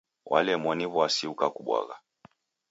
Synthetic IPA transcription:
wʔa̰lɛmwaniβwasiukakuɓwa̰ɣa

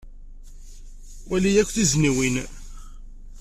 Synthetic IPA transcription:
wʔælijækʷːθizniwin

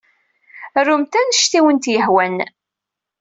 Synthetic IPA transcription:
rːumt̪ænʃt̪iwənt̪jəħwæn

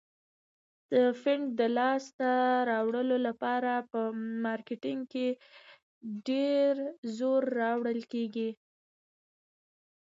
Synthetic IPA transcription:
d̪̥əfɪɳɖd̪əlɑst̪aɾɑwɽəlolapɑɾapəmɑɾkɪʈɪŋɡ̚ke | ɖeɾzoɾːɑwɽəlkeɡi

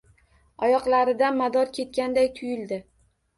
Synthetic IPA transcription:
ɒjɒqlˠaɾɪd̪anmad̪ɒɾkʲʰe̞t̪̚kʲand̪ajt̪ʰʊjɪld̪ɪ

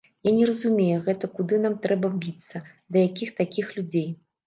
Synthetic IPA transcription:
janʲɛɾɐzumʲejɛɣɛt̪ɐkud̪ɨnamt̪ɾɛbɐbʲit̪sːɐ | d̪ɐjakʲixt̪akʲixlʲud͡zʲej

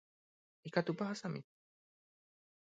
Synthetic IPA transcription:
ikat̪upaɦasamḭ

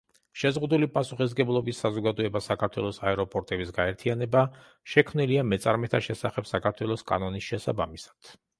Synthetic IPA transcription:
ʃɛzʁud̪ulipʼasuχis̬ɡɛblˠɔbisːazɔɡad̪ɔɛbasakʰaɾt̪ʰwɛ̰lˠɔsaɛɾɔpʼɔɾt̪ʼɛbisɡaɛɾt̪ʰianɛba | ʃɛkʰmniliamɛt̪sʼaɾmɛt̪ʰaʃɛsaχɛb̥sakʰaɾt̪ʰwɛlˠɔskʼa̰nɔnisʃɛsa̰bamisḁd̪̥

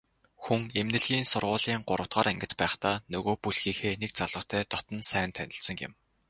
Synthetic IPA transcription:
xuŋemnɘ̆ɮɣiːnsʊrʁʊːɮiːɴɢʊɾʔə̆w̥ʰt̪̚ɢaːɾæŋɡʲɪ̆t̪pæːχt̪aːnɵɣoːpuɮxiːxeːnek̚t͡saɮə̆t̪ʰæːt̪ɔt̪ɞ̆nsæːnt̪ʰænʲɪ̆ɮsə̆ŋɪ̰̆m

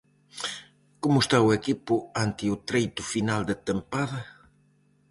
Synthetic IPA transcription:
komʊst̪aʊekipʊant̪ɪʊt̪ɾejt̪ʊfinald̪ɪt̪empaðɐ

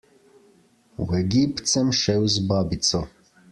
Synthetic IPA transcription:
wɛɡipt̪sɛmʃɛwzbaːbit̪sɔ

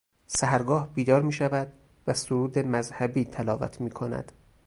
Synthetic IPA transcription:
sæɦæɾɡɒːhbiːd̪ɒːɾmiːʃævæd̪ | væsoɾuːd̪e̞mæzhæbiːt̪ʰælɒːvæ̰t̪ʰmiːkʰonæ̰d̪̥

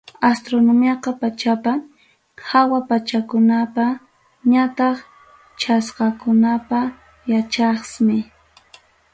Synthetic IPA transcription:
ast̪ɾonomjɑqɑpat͡ʃapa | hawapat͡ʃakʊnapa | ɲat̪ɑχ | t͡ʃʰasqɑkʊnapa | jat͡ʃɑχsmɪ

